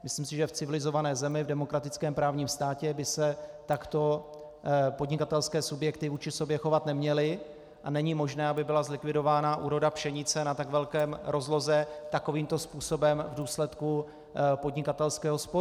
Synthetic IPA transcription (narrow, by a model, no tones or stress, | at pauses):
mɪsliːmsɪʒɛft͡sɪvɪlɪzo̞vanɛːzɛmɪvdɛmo̞kɾat̪ɪt͡skɛːmpɾaːvɲiːmst̪aːcɛbɪsɛt̪akt̪o̞ | po̞dɲɪkat̪ɛlskɛːsubjɛkt̪ɪvuːt͡ʃɪso̞bjɛxo̞vat̪nɛmɲɛlɪ | ʔanɛɲimo̞ʒnɛːabɪbɪlazlɪkvɪdo̞vaːnaʔuːɾo̞dapʃɛɲɪt͡sɛnat̪aɡvɛlkɛːmɾʔo̞zlo̞zɛt̪ako̞viːmt̪o̞spuːso̞bɛmvduːslɛt̪ku | po̞dɲɪkat̪ɛlskɛːɦo̞spo